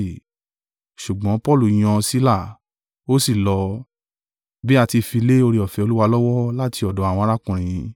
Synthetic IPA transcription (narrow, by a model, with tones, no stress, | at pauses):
ʃu˨ɡ͡bɔ̃˨˦pɔ˦˨lu˦˨j̃ɔ̃˧si˦la˦˨ | o˦si˦˨lɔ˧ | bi˦a˧ti˧fi˧le˦o˧ɾi˧ɔ˨fɛ˨o˧lu˦wa˧lɔ˦wɔ˦la˦ti˧ɔ˨dɔ˨˦a˨wɔ̃˧˦ɾa˦kũ˨ɾ̃ĩ˧